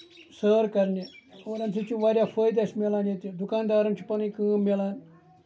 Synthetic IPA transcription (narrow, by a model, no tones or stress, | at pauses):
səːɾkɐɾneoːɾɐnsʰet͡ʃiʋaːɾʲjaːfʰəːjd̪asʲmelaːnjet̪id̪ʊkaːnd̪aːɾɐnt͡ʃʰipɐnĩjkɨ̃ːmelaːn